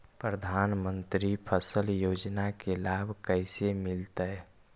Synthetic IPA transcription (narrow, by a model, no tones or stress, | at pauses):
pɾəd̪ʱanmə̃nt̪ɾipʰəsəljoːd͡ʒnakelabʱkəɪsemilt̪ə